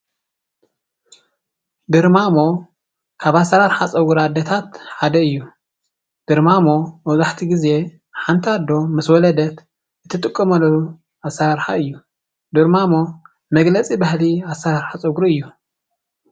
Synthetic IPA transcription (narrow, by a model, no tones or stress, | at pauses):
d̪ɨɾmamo̞ | kʰaβasːɐɾaɾħat͡sʼɐɡuɾad̪ɐt̪ʰat̪ħad̪ɐɨjːu | d̪̥ɨɾmamo̞mɐzaħt̪ʰiɡize̞ | ħant̪ʰiad̪ːo̞mɐswɔlɐd̪ɐt̪ | ɨt̪ʰɨt̪ʼɨkʼːɐmɐlːɐu | asːɐɾaɾħa̰ɨjːu | d̪ɨɾmamo̞ | mɐɡlɐt͡sʼibahliasɐɾaɾħasʼɐɡɾɨjːu